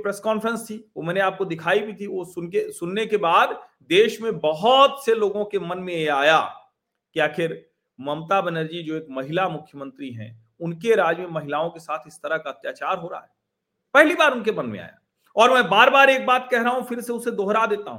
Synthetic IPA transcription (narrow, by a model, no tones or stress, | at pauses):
pɾeːskɔːnfəɾə̃nst̪ʰiʋomɛ̃ːneaːp̚kod̪ɪkʰaːibʱit̪ʰiʋosʊnkesʊnːekebaːd̪ | d̪eːʃmẽbɐɦʊt̪seloːɡõkemɐnmẽjeaːja | kiaːkʰɪɾ | mɐmt̪aːbənəɾd͡ʒid͡ʒoːeːk̚mɐɦɪlamʊkʰjəmə̃nt̪ɾiɦɛ̰̃ | ʊnkeɾaːd͡ʒmẽmɐɦɪlaːõkesaːt̪ʰɪst̪ɐɾakaɐt̪jaːt͡ʃaːɾɦoːɾaa̰ɦɛː | pɛɦlibaːɾʊnkemɐnmḛ̃a̰ːja̰ː | ɔːɾmɛ̃ːbaːɾbaːɾeːk̚baːt̪kɛɦɾaɦɦũfɪɾseʊsed̪oɦɾad̪eːt̪a̰ɦṵ̃ː